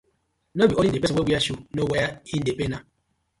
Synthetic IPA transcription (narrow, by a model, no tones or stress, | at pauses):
nobioiepesowʷewʷiaʃunowejain̩depena